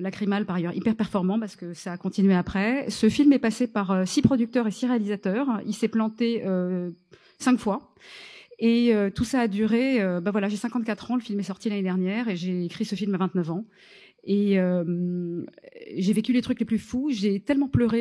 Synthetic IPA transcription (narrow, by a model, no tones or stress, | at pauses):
lakχimalpaʁajœʁḭpɛʁpɛʁfɔʁmɑ̃paʁsə̥kəsaːkɔ̃t̪inɥeapχɛsəfilmɛpasepaʁøsipχɔd̪yk̚t̪œʁesiʁealizat̪œːʁilsɛplɑ̃t̪eø | sɛ̃kfwa | eøt̪usaːd̪yʁeøbavwalaʒesɛ̃kɑ̃t̪̚kʲat̪χɑ̃ləfilmɛsɔʁt̪ilaned̪ɛʁnjɛʁeʒeːkχisəfilmavɛ̃t̪nœvɑ̃ | eøm | ʒevekʲylet̪χykleplyfuʒet̪ɛlmɑ̃plœʁe